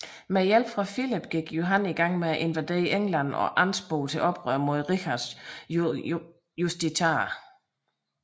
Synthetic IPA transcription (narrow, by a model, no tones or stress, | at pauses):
mejel̰b̥fʁɑ̈filib̥ɡ̥iɡ̥jo̝ɦæniɡ̥ɑ̈ŋ̰meæʔe̝nʋæd̥e̝̰ːiʔeŋlæn̰ɒ̰̽ʔɑn̰sb̥oːlt͡sʰe̝lʔɒ̽b̥ʁœ̰ɐmo̝ð̞ˠʁiçɑd̥s | jusd̥it͡sʰɑ